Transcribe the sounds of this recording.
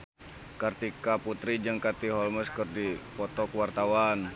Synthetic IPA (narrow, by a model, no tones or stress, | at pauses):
kart̪ikaput̪ɾid͡ʒɨŋkart̪iɦɔlməskərdipɔt̪ɔkwart̪awan